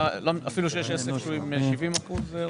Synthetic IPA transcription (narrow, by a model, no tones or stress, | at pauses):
lomafiluʃ̬ejeʃesefʃuimeʃivimaχuze